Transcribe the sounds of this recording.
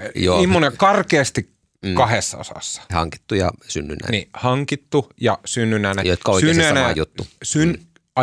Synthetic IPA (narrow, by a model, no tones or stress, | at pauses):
joimːonekɑrkeːst̪ikː | kɑhesːɑo̰sɑ̰sːɑ̥hɑ̰ŋki̥t̪ːujɑ̰synːynːæ̰nihɑŋkit̪ːujɑsynːynænejot̪̚kɑoˑiksyenːæsɑnæɑ̰jut̪ːusyn | ɑ